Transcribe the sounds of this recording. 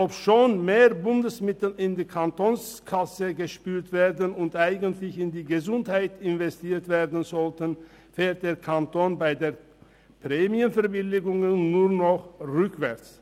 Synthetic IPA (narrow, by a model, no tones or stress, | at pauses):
ʔopʃoːnmeːʁbʊndəsmɪtl̩ɪndiːkʰantoːnskʰasəɡəʃpyːtv̥eːɐdənʊntʔaɪɡəntlɪçɪndiːɡəzʊnthaɪtɪnvɛstiːtv̥eːʁdn̩zɔltən | feːlt̚d̥eːɐkʰantoːnbaɪdeːɐ | pʁ̥ɛːmiənfɛɐbɪlɪɡʊŋənːuːʁnɔχʁʏkv̥ɛɐt͡s